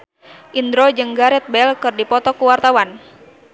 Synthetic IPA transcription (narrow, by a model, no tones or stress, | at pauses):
ʔind̪ɾɔd͡ʒɨŋɡaɾɛt̪̚bɛlkɨrdipɔt̪ɔkuwart̪awan